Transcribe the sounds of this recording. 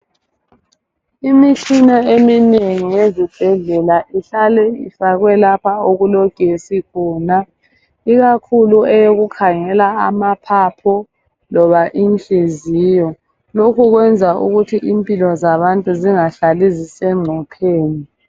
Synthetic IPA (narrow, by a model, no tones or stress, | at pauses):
imit͡ʃʰinaemineŋijezib̥ʱɛɮɛlaʔiɬalɛifaɣwɛlapʰaoɣulɔɡ̥ʱesikʰɔːna | iɣakʰuluɛjoɣukʰaŋɛlaamapʰapʰɔ | lɔβaʔint͡ɬʼiziːjɔ | lokʰuɣwɛnd͡zʱaṵɣutʰiʔimpʼilɔzaβantʼuziŋaɬalizisɛŋ͡ǀʱɔpʰeːni